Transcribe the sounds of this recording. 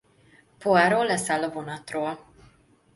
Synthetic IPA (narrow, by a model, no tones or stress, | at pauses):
poaːɾoːlːɛsaːlːɒvo̞nɒt̪roːl